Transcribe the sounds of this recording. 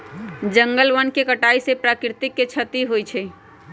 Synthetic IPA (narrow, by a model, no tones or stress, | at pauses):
d͡ʒə̃ŋɡəlʋənkekəʈaːisepɾaːkɪɾt̪ɪkːet͡ʃʰət̪iɦoit͡ʃʰe